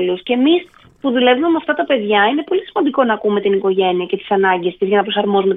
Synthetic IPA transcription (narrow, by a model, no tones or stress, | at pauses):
luscemis | puðule̞vumemɐft̪ɐt̪ɐpe̞ðʝɐine̞po̞lisimɐnd̪iko̞nɐkume̞t̪iniko̞ʝe̞niɐce̞t̪i̥sɐnɐɲɟest̪izʝɐnɐpɾo̞sɐɾmo̞zumet̪